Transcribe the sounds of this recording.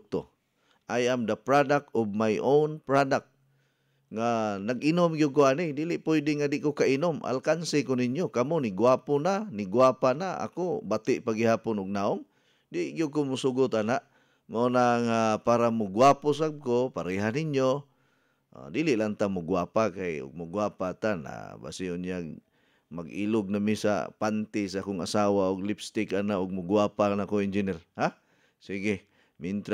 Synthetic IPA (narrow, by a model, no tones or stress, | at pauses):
t̪o̰ | ʔajamd̪apɾadak̚ʊɡ̚majʔownpɾadak̚ | ŋanaɡinʊmɡiʊɡ̚kʊanidilɪʔpʊjdɪŋadɪʔkokaʔinʊmʔa̰lkansɪkʊninjokamʊnɪɡwapʊnanɪɡwapanaa̰kʊbat̪ɪʔpaɡɪɦaːpʊnʊɡ̚naʊŋ | dɪʔɡiʊɡ̚kʊmʊsuɡʊt̪anaʔ | maonaŋapaɾamʊɡwapʊs̬ab̚kopaɾiɦanɪɲjo | ʔo̰d̪ilɪʔlant̪amʊɡwapakajʊ̰ɡ̚mʊɡwapat̪ana̰ba̰sɪʊnjaɡ | maɡilʊɡ̚namɪsa̰pant̪ɪsaakʊŋa̰saːwaʊɡlɪpst̪ɪkanaʔʊɡ̚mʊɡwapanakoɪnd͡ʒɪnɛrha | siɡɪ | mɪnt̪ɾ